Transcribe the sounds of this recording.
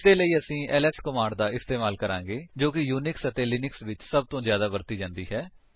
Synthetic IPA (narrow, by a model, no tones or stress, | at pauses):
eːləiːəsĩːɛːlɛːskəmãːɳɖd̪aːɪst̪eːmaːlkəɾãːŋɡeːd͡ʒoːkɪjuːnɪksət̪eːlɪnɪksʋɪt͡ʃsəb̚t̪õːzjaːd̪aːbəɾt̪iːd͡ʒãːnd̪iːɦɛː